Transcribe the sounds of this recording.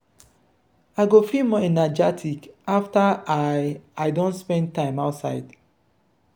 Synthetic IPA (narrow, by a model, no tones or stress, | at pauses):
aɪɡofimɔɛnad͡ʒatʰikaftaaaɪdõntspɛ̃n̚tãɪ̃maʊtsa̰ɪd